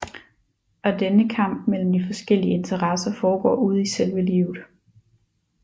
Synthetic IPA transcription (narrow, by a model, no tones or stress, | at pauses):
ɒ̽d̥enəkʰɑ̈m̰b̥̚mel̰m̩d̥ifɒ̽sɡ̥el̰iəe̝nt͡sʰɐʁɑsɐfɒːɡ̥ɒ̰ːuð̞̰ˠiselʋəliːʊð̩ˠ